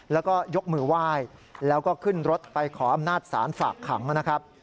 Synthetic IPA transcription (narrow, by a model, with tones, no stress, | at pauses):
lɛː˦˥wkɔː˥˩jo˦˥k̚mɯː˧˩waː˥˩jlɛː˦˥wkɔː˥˩kʰɯ˥˩nɾo˦˥t̪̚pa˧jkʰɔː˩˦ʔa˧mnaː˥˩t̪̚sa̰ː˩˦nfaː˨˩kʰːa˩˦ŋna˦˥kʰɾa˦˥p̚